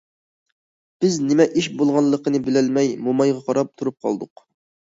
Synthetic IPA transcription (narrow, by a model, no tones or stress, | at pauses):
b̥ɪznɪmɛʔiʃbolˠʁɑnlˠəqənɨbɪlɪlmɛjmomɑjʁɑqʰɑɾɑp̚t̪ʰuɾup̚qʰɑ̰lˠd̪ʊq